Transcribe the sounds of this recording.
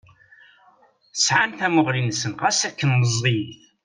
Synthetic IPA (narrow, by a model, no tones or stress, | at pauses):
sʕanθæmʊʁlinsənʁæsækːənːəzˤːiθ